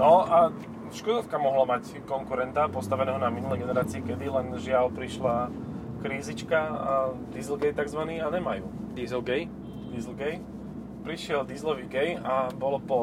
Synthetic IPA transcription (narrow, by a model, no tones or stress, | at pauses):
nɔa | ʃkɔd̪ɔskamɔɦlamac | kɔŋkuɾɛnt̪apɔst̪aʋɛnɛːɦɔnaminulɛjɡɛnɛɾaːt͡siːkɛd̪ilɛnʒɪalpɾiʃla | kɾiːzit͡ʃkaad̪izl̩ˠɡɛjt̪aɡzʋaniːaɲɛmajuːd̪izl̩ˠɡɛj | d̪izl̩ɡɛj | pɾiʃɪɛld̪iːzlɔʋiːɡɛjabɔlɔpɔ